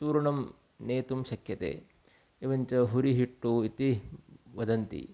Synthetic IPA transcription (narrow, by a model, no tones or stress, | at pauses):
tuːɾɐɳɐm | neːt̪umʃɐkʰjɐt̪ḛː | iʋɐɲt͡ʃɐɦuɾiɦiʈːuit̪iʋɐd̪ɐnt̪ḭ